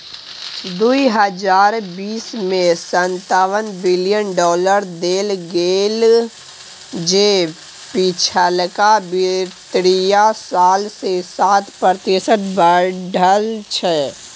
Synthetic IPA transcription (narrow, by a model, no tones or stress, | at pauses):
d̪uiɦəd͡ʒaːɾbiːsmẽsə̃nt̪aːwənbɪlijənɖɔːləɾd̪eːlɡeːl | d͡ʒeː | pit͡ʃʰəlkabɪt̪ɾijasaːlsesaːt̪pəɾt̪ɪsət̪ʰbəɖʱəlt͡ʃʰɛː